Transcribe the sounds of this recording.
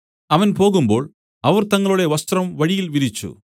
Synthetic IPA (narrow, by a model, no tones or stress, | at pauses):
ɐʋɐnpo̞ːɣumbo̞̰ːɭ | ɐʋɐrt̪ɐŋːɐɭuɽe̞ʋɐst̪rɐmʋɐɻijilʋiɾit͡ɕːṵ